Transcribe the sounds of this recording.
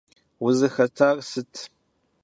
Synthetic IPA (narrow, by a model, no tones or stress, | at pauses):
wʊzɨxɐtʰaːʁsɨtʰ